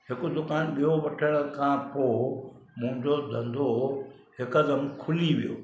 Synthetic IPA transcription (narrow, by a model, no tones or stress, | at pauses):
hɪkʊd̪ʊkaːnɓijoʋɐʈʰəɽ̃kʰãːpoː | mʊ̃ɦɪ̃ɲd͡ʑod̪ʱɐ̃nd̪ʱo | ɦɪkɐd̪əmkʰʊliʋijo̰ː